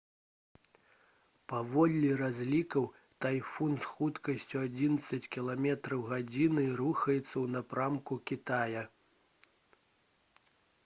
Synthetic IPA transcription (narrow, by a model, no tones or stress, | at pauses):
pavɔlʲlʲirazʲlʲikɐw | t̪ajfunsxut̪kɐsʲt͡sʲuad͡zʲinɐt̪sɐt͡sʲkʲilˠamʲɛt̪ɾɐwɣad͡zʲinɨruxɐjɛt̪sːɐwnapɾamkukʲit̪ajɐ